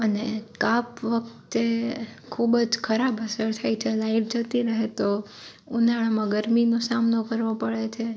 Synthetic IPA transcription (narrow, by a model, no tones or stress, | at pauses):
ənekapʋək̚t̪ekʰubd͡ʒkʰəɾabəsəɭt̪ʰajt͡ʃʰelaifd͡ʒət̪iɾəɦet̪o | unaɭ̃amãɡəɾminosamnokəɾʋopəɭet͡ʃʰe